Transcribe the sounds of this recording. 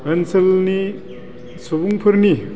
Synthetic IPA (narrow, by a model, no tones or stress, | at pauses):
ɐnsɐlni | sobuŋpʰɯɾni